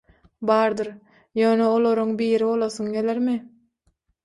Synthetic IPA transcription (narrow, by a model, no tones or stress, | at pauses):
bɑːɾd̪ɯɾ | jøːneolˠo̞ɾuŋbiːɾibo̞lˠoθuŋɡʲe̞leɾmi